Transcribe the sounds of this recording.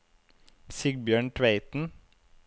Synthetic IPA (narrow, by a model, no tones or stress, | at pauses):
sɪɡ̚bjøːɳʈʰʋeɪt̪n̩